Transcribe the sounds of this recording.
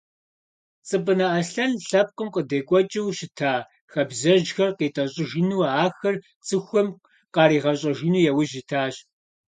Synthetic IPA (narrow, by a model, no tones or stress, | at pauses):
t͡sʼɨpʼɨnɐʔɐɬɐnɬɐp̚qʷʼʊmqʼədeːkʷʼɔt͡ʃʼɪwɕɪtʰaː | xɐbzɐʒxɐrqeːtʼɐɕʼɪʒɪnuːaːxɐr | t͡sʼɨxʷɔm | qɑːɾiːʁɐɕʼɐʒɪnuːjɛwʊʑɪtʰaːɕʼ